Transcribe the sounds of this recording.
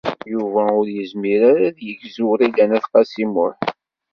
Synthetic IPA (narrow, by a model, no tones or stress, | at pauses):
juvæʊɾjəzmiɾaɾaðjəʝzuɾilænæθqɑsimʊħ